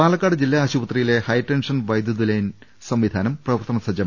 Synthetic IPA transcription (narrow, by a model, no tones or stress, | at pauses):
paːlɐkːaːɽɨd͡ʑilːaːɕubɐt̪rijile̞hɐjʈːenʂɐnʋɐjd̪jɐd̪ulɐjn | sɐmʋid̪ʱaːnɐmprɐʋɐrt̪ɐnɐsɐd͡ʑɐm